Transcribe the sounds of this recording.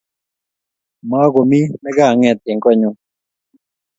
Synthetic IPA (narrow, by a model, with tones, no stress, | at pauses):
ma˦ɡo˨mi˦mɛ˦ɡa˦˨ŋɛ˨t̪e˨ŋkɔ˦˨ɲu˦